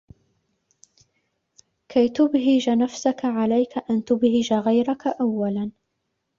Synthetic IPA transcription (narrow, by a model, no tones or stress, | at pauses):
kʰajt̪ʊbɦɪd͡ʒanafsakaʕalajkaʔant̪ʊbhɪd͡ʒaɣajɾakaʔawːalan